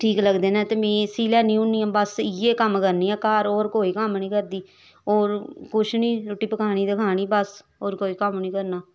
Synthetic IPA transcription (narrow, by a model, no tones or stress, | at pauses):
ʈʰiːkləɡd̪eːnɛ̃ːt̪eːbĩːsiːlɛːnĩːʊnːiːɛ̃ːbəsɪeːkəmkəɾniːɛːkaːɾoːɾkoːiːkəmnĩːkəɾd̪iː | oːɾkʊt͡ʃʰnĩːʊʈiːpəkʰaːñiːd̪əkʰaːñiːbəs | oːɾkoːiːkəmnĩːkəɾnaː